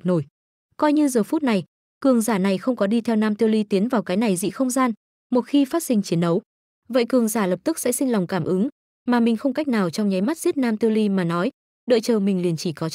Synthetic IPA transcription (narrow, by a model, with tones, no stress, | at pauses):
no˧˩j | kɔ˧jɲɨ˧zəː˨˩fu˦˥t̚na˨˩j | kɨ˨˩əŋzaː˧˩na˨˩jxə˧wŋ͡mkɔ˨˦ɗi˧t̪ʰɛ˧wnaː˧mt̪i˧əwli˧t̪i˨˦ənvaː˨˩wkaː˨˦jna˨˩jzḭ˧˨xə˧wŋ͡mzaː˧n | mo˨˩t̚xi˧faː˦˥t̚sï˧ŋ̟t͡ɕi˨˦ənɗə˨˦w | və̰˧˨jkɨ˧˩əŋzaː˧˩lə˨˩p̚t̪ɨ˦˥k̚sɛ̰˧˥sï˧ŋla˨˩wŋ͡mkaː˧˩mʔɨ˨˦ŋ | maː˨˩mï˨˩ŋ̟xə˧wŋ͡mka˦˥jk̚naː˨˩wt͡ɕɔ˧wŋ͡mɲa˨˦jma˦˥t̚zi˦˥ət̚naː˧mt̪i˧əwli˧maː˨˩nɔ˨˦j | ɗə̰ː˧˨jt͡ɕəː˨˩mï˨˩ŋ̟li˨˩ənt͡ɕi˧˩kɔ˨˦